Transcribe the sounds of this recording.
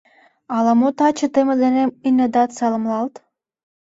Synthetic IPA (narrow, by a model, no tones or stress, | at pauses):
ɑlɑmot̪ɑt͡ɕə̆t̪emə̆d̪eneminʲed̪ɑt̪sɑlə̆mlɑlt̪